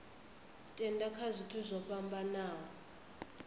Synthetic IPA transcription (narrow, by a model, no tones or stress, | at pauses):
tʼɛndakʰazʷitʰuzʷɔɸambanaːɦɔ